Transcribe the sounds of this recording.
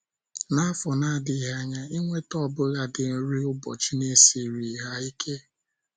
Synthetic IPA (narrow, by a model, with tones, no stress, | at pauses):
na˦a˦fɔ˨na˦˨dɪ˨ɦa˦ɲa˦i˦ŋʷe˦tɔ˦˨bʊ˦ɣa˨dɪ˨n̩˦ɾi˦ʊ˦bɔ̰˨t͡ʃi˦ne˦si˨ɾi˨ɦa˦i˦kʰe˦